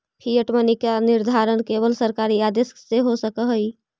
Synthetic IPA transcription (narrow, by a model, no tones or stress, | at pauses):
pʰijəʈmənikanɪɾd̪ʱaːɾənkeːβəlsəɾkaːɾiaːd̪esseɦosəkəɦəi